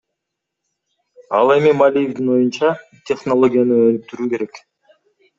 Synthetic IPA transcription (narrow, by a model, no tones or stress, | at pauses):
ɑlˠe̞mimalʲijevd̪inwo̞junt͡ʃɑ | t̪ʲe̞χnolˠo̞ɡʲijanɯønyk̚t̪yɾyːke̞ɾe̞k